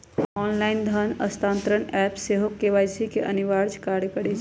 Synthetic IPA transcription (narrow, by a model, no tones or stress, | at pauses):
ɔːnlaːɪnd̪ʱənɐst̪ãːnt̪ɾəɳɛːpseːɦokːeʋaːjsikeʔɐniʋaːɾd͡ʒkaːɽjkəɽed͡ʒ